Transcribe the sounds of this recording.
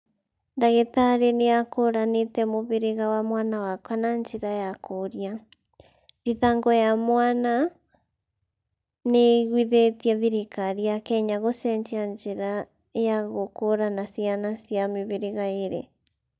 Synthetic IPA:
ndaɣetaɾeneakoɾanetɛmoβeɾeɣawamwanawakwanaɲd͡ʒeɾajakoɾja | diðaŋɡɔjamwana | neɣwiðetiɛðiɾekaɾiakɛɲaɣosɛɲd͡ʒeaɲd͡ʒeɾa | jaɣokoɾanasianasiameβeɾeɣaeɾḛ

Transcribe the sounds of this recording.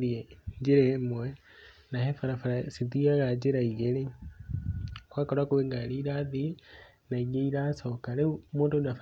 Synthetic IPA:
ðieɲd͡ʒeɾemwɛ | nahefaɾafaɾasiðiaɣad͡ʒeɾaiɣeɾe | kwaːkɔɾakuweŋɡaɾiɾaði | naiɣeiɾasɔkaɾeumoːndodaf

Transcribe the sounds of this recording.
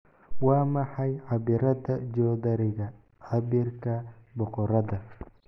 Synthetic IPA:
wɑːmɑħɑjʕɑbɪɾɐðɐd͡ʒɔːðɐɾɪɣɐ | ʕɑbɪrkʰɐbɔqɔɾɐðɐ

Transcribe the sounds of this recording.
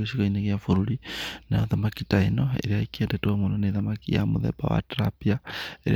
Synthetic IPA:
eʃikoineɣjafuɾuɾinaðamakitainoḛɾiaikiendetwomunoneðamakija̰muðɛ̰ba̰wa̰tɾa̰piaeɾḭ

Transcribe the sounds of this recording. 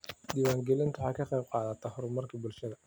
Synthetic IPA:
d̪iːwaːŋɡɛlɪnt̪ʰʊħɑkʰɐqɛjb̚qɑːðɐt̪ʰaɦɔɾmɐrkʰibʊlʃɐðɐ

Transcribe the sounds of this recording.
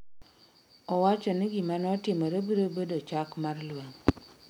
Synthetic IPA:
ɔwat͡ʃɔniɡimanɔɔtɪmoɾebiɾobedot͡ʃakmarlwɛŋ

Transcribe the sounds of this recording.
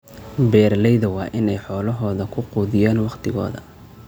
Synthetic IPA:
bɛːrlɛjðɐwɑːʔɪnɛjħɔːlɐɦɔːðɐkʰʊquːðɪjaːnwɑqt̪ʰɪɣɔ̰ːðɐ

